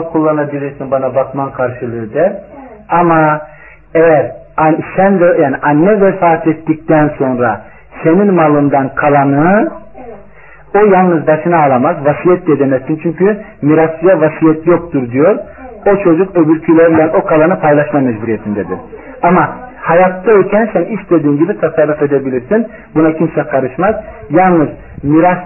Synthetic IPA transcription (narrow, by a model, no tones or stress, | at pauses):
kʰulˠːanabilʲid͡ʒɛjsinbanabakmankʰaɾʃɯlˠɯɯd̪ɛama | ejæɾ | ansɛnvɛjaːniʔanːɛvɛfaːt̪ʰɛt̪ːic̚t̪ʰænso̞nɾa | se̞ninmalˠɯnd̪ankʰalˠanɯ | o̞jalˠnɯzbaʃɯnaːlˠamazvasijɛt̪̚d̪ɛd̪emɛssint͡ʃʰyɲcʰymiɾasɯjavasijɛt̪ʰjo̞k̚t̪ʰuɾd̪ijo̞ɾ | o̞t͡ʃʰo̞d͡ʒukø̞byɾcʰylʲɛɾilʲɛno̞kʰalˠanɯpʰajlˠaʃmamɛd͡ʒbuɾijet̪ʰind̪ɛd̪iɾ | amahajat̪ːaølcʰɛnsɛniʃt̪ed̪iːnɟibit̪ʰasarːufe̞d̪ebilʲiɾsin | bunacʰinʃʲɛkʰaɾɯʃmaz | jalˠnɯz | miɾas